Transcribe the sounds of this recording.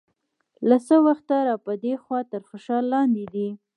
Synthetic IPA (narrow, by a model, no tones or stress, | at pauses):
lasəwaxt̪aɾɑpəd̪exwɑt̪əɾxoʃɑlːɑnd̪ed̪i